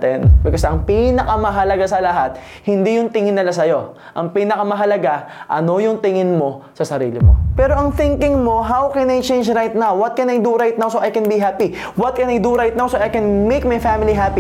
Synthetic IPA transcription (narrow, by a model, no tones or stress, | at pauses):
t̪ɛ̰nbɪkosɐŋpinɐkɐmɐɦɐlɐɡasɐlɐɦat̪̚ | hɪnd̪ijʊŋt̪ɪŋɪnːɐlasɐjo̞ | ʔɐŋpiːnɐkɐmɐɦɐlɐɡaʔɐno̞jʊŋt̪ɪŋɪnmo̞sɐsɐɾḭːlɪ̰mo̰pɛːɾoʔɐŋθɪŋkɪŋmo̞ɦawkɛnɐjt͡ʃẽjnd͡ʒɾajt̪̚nawwɐt̪̚kɐnɐjd̪uɾajt̪̚nawsoʔɐjkɛnbiɦapi | wɐt̪̚kɐnɐjd̪uɾajt̪̚nawsoʔɐjkɛnmejk̚mɐjfamɪliɦapi